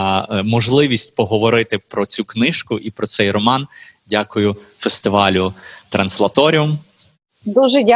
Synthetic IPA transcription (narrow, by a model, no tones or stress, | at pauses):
mɔʒlˠɪʋʲisʲtʲpɔɦɔʋɔɾɪt̪ɪpɾɔt͡sʲuknɪʃkʊʔipɾɔt̪sɛjrɔmɑndʲakʊjʊfest̪ɪʋɑlʲʊt̪ɾɐnslˠɐt̪ɔɾʲiʊm | d̪uʒɛdʲa